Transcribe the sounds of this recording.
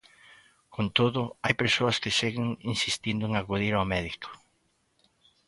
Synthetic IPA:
kont̪oðʊajpeɾsoɐskɪseɣɪŋinsist̪ind̪ʊeŋakuðiɾawmɛðiko̥

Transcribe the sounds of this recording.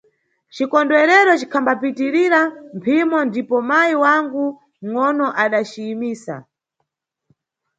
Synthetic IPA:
t͡ʃikɔndwɛɾɛɾɔt͡ʃi̥kʰambapitiɾiɾampʰimɔndipɔmajiwaŋɡu | ŋɔnɔʔaɗat͡ʃiːmiːsa̰

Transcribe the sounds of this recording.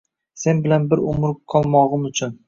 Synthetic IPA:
se̞nbɪlanbɪɾʊmʊɾqʰɒlˠmɒʁɨmʊt͡ʃʰʊn

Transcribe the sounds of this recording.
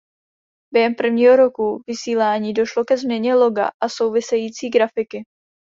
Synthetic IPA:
b̥jɛɦɛmpr̩vɲiːɦo̞ɾo̞kuvɪsiːlaːɲiːdo̞ʃlo̞kɛzmɲɛɲɛlo̞ɡa̰ʔaso̞wvɪsɛjiːt͡siːɡɾafɪkɪ

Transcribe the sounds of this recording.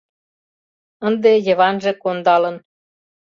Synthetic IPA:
ənd̪ejə̆βɑnʒĕkond̪ɑlə̆n

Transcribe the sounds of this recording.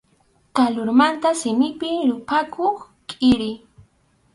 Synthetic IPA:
t̪alʊɾmant̪asɪmɪpɪɾʊpakʰoχ | kʼɪɾɪ

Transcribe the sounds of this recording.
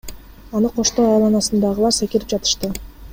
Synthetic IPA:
ɑnɯqʰo̞ʃt̪o̞ːɑjlˠɑnɑsɯnd̪ɑʁɯlˠɑɾsekiɾip̚d͡ʒɑt̪ɯ̥ʃt̪ɯ

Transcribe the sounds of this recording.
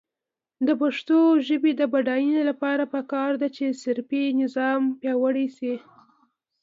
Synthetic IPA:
d̪əpaʂt̪oʒəbed̪əbaɖɑjinelapɑɾapəkɑɾd̪at͡ʃesɪɾpinɪzɑmpjɑwəɽesi

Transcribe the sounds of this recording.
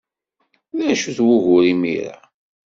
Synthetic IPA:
læʃuθwʊʝʊɾimḭɾa̰

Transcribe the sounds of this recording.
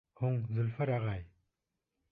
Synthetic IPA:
hoŋzəlfaɾaʁaj

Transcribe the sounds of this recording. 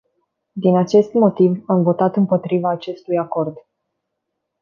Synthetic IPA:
d̪inat͡ʃe̞st̪mo̞t̪ivamvo̞t̪at̪ɨmpo̞t̪ɾivaːt͡ʃe̞st̪ujako̞rd̪

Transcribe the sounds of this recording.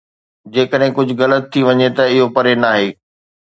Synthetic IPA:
d͡ʑeːkəɗɦɪ̃kʊd͡ʑʱʊ̆ɣɐlət̪ʰːiʋɐɲet̪ɐɪɦopɐɾenaːɦeː

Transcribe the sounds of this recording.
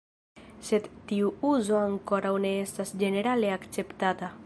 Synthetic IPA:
set̪ːiuuzoaŋkoɾauneest̪asd͡ʒeneɾaleakt͡sept̪at̪a

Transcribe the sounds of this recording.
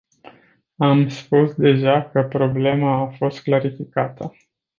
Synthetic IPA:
amspusd̪e̞ʒakəpɾo̞ble̞maːfo̞st̪̚klaɾifikat̪ə

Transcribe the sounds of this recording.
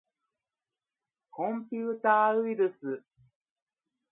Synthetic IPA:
kõmpʲjuːt̪aːiɾɯsɨ

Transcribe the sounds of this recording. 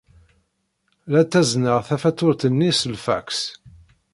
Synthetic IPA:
læt̪ːæznəʁθæfæt̪ːʊɾt̪ənːisəlfæ̰ks

